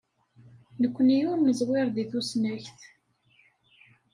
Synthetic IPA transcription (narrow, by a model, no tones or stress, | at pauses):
nəkʷːənijʊɾməzwɪɾˤðiθusnæçθ